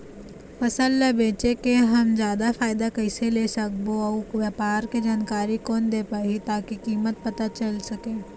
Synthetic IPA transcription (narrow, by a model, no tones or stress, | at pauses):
fɐsəlːebeːt͡ʃekeɦɐmd͡ʒjaːd̪afaːɪd̪akɐɪseleːsɐk̚boɔʋjapaːɾked͡ʒaːnkaːɾikɔːnd̪eːpaːɦit̪aːkikiːmət̪̚pɐt̪at͡ʃɐlsɐkẽː